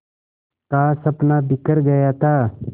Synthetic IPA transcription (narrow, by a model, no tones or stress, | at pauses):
kaːsəpnaːbɪkəɾɡəjaːt̪aː